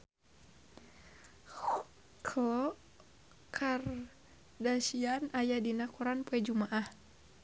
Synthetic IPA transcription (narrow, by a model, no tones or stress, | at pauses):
kʰlɔ | kʰar | dasianajadinakuɾanpuɛd͡ʒumaʔah